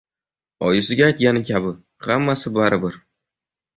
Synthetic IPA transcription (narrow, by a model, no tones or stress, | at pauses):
ɒjɪsɪɡʲaːjt̪̚ɡʲanɪkʲʰabɪ | hamːasɪbaɾɪbɪɾ